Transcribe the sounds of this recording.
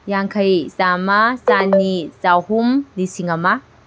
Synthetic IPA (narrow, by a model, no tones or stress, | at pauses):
jaŋkʰɐjzamasanizawhumlisiŋama